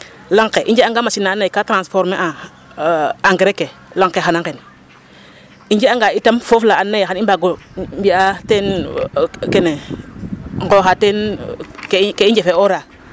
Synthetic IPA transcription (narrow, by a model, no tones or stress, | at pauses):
laŋkeʔind͡ʒeaŋɡamasinanaikatɾasfoɾmeʔa | aŋɡɾekelaŋkexanaŋken | ind͡ʒeaŋɡaitamfoflaanːajeanimbaɡo | mbiaten | kene | ŋɡoxatenkkeind͡ʒefeoɾa